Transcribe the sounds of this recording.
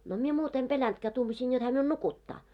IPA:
no mie muːt em pelæntkæː tuːmɑsiːn jot hæː miun nukutːɑː

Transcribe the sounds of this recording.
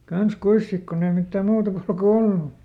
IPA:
kɑns kuis sik konː ei mitːæ muːtɑ kulku olːu

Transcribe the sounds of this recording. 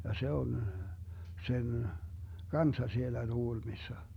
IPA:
jɑ se on sen kɑnsːɑ sielːæ tuɡ̊ulmisːɑ

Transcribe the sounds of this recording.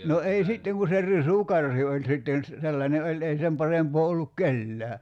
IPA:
no ei sitːeŋ ku se risukɑrhi olʲ sitːen̞ s selːɑnʲe olʲ ei sem pɑrempoː olːuk kelːæː

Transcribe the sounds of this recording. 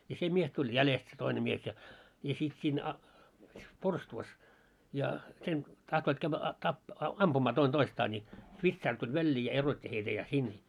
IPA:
jɑ se mies tulʲ jælest se toine mies jɑ jɑ sit siːn ɑ porstuʋɑs jɑ sen tɑhtoit kæʋːæ ɑ tɑp ɑmpumɑː toin toistɑː nʲi ʋitsɑːr tulʲ ʋælʲːiː jɑ erotʲːi heitæ jɑ sin

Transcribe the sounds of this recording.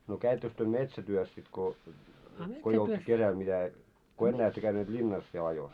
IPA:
no kæitːøks tyø metsætyøs sit ko ko ei olt kesæl mitæ ko enːæː etːø kæyneːt lʲinːɑs siel ɑjos

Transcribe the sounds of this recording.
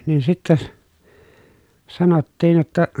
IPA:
niːn sitːæs sɑnotːiːn̞ jotːɑ

